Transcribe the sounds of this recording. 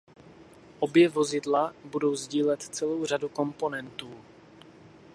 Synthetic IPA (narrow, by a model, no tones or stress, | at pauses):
ʔo̞bjɛvo̞zɪdlabudo̞wzɟiːlɛt̪t͡sɛlo̞wr̝aduko̞mpo̞nɛnt̪uː